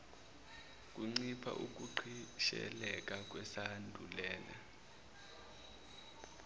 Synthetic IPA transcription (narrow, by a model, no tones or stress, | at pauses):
k̬ʼuŋ͡ǀipʰa̰ʔuk̬ʼuǃʰiʃɛ̰lɛk̬ʼak̬wɛsandʱulɛːla̰